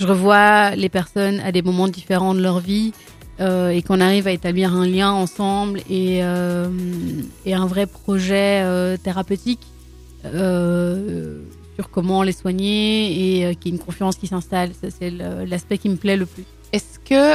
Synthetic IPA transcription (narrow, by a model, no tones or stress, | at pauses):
ʒəʁəvwalepɛʁsɔna̰d̪emɔmɑ̃d̪ifeʁɑ̃d̪əlœʁvi | øekɔ̃naʁivaet̪abliʁɛ̃ljɛ̃ɑ̃sɑ̃bleømeɛ̃vʁɛpχɔʒɛøt̪eʁapøt̪ikː | syʁkɔmɑ̃leswaɲeːøkjaynkɔ̃feɑ̃skʲisɛ̃st̪alsɛsɛləlaspɛkʲiməplɛləplys | ɛskə